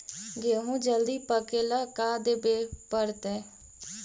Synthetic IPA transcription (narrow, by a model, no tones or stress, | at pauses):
ɡeɦũːd͡ʒəld̪iːpəkeːlaːkaːd̪eːbeːpəɾt̪ɛː